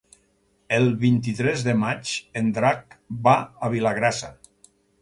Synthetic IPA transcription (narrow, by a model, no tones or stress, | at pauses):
elˠβint̪it̪ɾɛzðemat͡ʃend̪ɾak̚baaβ̞ilaɣ̞ɾasa